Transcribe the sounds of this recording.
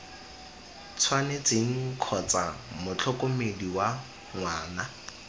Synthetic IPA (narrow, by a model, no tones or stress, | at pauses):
t͡sʰwanet͡seŋ̩kʰɔt͡sa̰mʊt͡ɬʰɔkʼʊmediwa | ŋwaːna